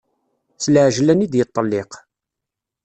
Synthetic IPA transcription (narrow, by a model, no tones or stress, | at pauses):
θlʕʒlænid̪jət̪ˤːəlːɪq